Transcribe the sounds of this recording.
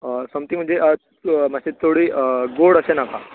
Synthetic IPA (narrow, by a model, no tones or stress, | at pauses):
səmt̪iːm̤əɳd͡zeʔə | maset̪ʰoɽiːɡoɽəsenaka